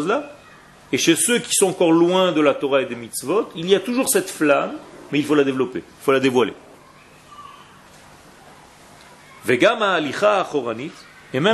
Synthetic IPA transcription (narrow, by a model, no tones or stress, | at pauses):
zla | eʃesøkʲi̥sɔ̃ɑ̃kɔʁlwɛ̃d̪əlat̪ɔʁaed̪emit̪svɔt̪iliat̪uʒuʁsɛt̪flamːɛilfolad̪evlɔpḛilfolad̪evwalḛ | vɛɡamaːliχaːχɔʁanit̪ | emɛ